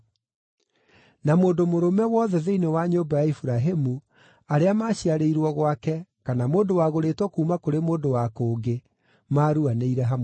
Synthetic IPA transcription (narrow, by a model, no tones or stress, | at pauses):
namoːndomoɾomɛwɔðɛðeinewaɲoːbajaifuɾaɦemu | aɾeamaːɕiaɾeiɾwɔɣwakɛkanamoːndowaɣoɾeːtwɔkuːmakoɾemoːndowakoːɡe | maɾuaneiɾɛɦam